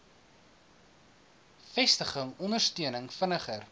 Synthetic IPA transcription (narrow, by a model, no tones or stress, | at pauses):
fɛstəχəŋɔndərstyənəŋfənəχər